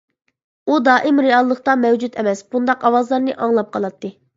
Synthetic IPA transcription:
ud̪ɑːʔɪmɾeɑlˠːəχt̪ɑmɛwd͡ʒut̪ʰɛmɛsb̥und̪ɑqɑwɑzlˠɑɾnɨʔɑŋlˠɑp̚qʰɑlˠɑt̪ʰːɨ

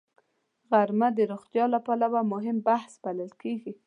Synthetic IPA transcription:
ɣaɾmad̪əɾoxt̪jɑlapalawamʊɦɪmbahsbaləlkeɡi

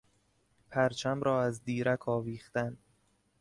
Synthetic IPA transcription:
pʰæɾt͡ʃʰæmɾɒːæzd̪iːɾækʰɒːviːχt̪æn

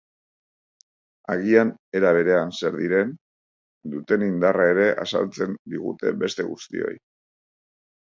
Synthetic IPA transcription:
a̰ɣiane̞ɾaβ̞e̞ɾe̞anse̞ɾðiɾe̞n | d̪ut̪e̞nind̪arae̞ɾe̞ʔa̰sa̰lt͡se̞nd̪iɣṵt̪e̞̰be̞st̪e̞ɣust̪ḭo̞̰j

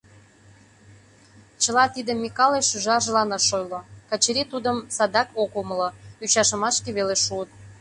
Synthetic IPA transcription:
t͡ɕə̆lɑt̪id̪ə̆mːikɑleʃyʒɑʒəlɑnɑʃojlŏkə̆t͡ɕeɾit̪ud̪əmsɑd̪ɑkokoməlɤ̆yt͡ɕɑʃə̆mɑʃkeβeleʃuət̪̚

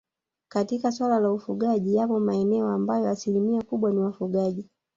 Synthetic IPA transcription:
katikaswalalaufuɠaʄijapɔmaɛnɛɔambajɔasilimiakuɓwaniwafuɠaʄi

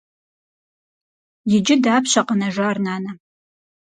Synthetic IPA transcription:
jɪd͡ʒɪdaːpɕɐqɐnɐʒʷaːrnaːnɐ

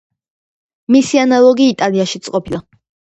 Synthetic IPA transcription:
misianalˠɔɡiːt̪ʼaliaʃit̪sʼqʼɔpʰilˠa

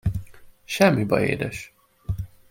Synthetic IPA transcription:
ʃɛmːibɒḛːd̪ɛʃ

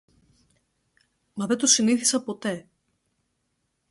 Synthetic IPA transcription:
mɐðet̪usiniθi̥sɐpo̞t̪e̞

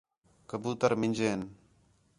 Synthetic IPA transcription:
kəbuːt̪əɾmɪnʲd͡ʒeːn

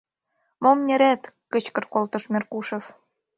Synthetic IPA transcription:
momnʲĕɾæt̪kə̆t͡ɕkɤ̆rkolt̪ɤ̆ʃmʲerkuʃĕf

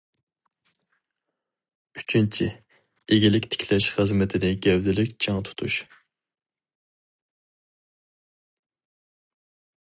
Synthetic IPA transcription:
yt͡ʃʰint͡ʃʰi | eɡʲilɪkʲt̪ʰɪ̥kʲʰlɛʃχəzmɪt̪ʰɪnɪɡʲɛwd̪ɪlɪkʲt͡ʃʰɑŋt̪ʰu̥t̪ʰuʃ

